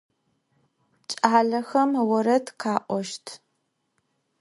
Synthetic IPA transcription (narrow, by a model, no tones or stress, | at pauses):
t͡ʃʼaːɮɐxɐmwɐɾɐtqʰaːʔʷɔʃtʰ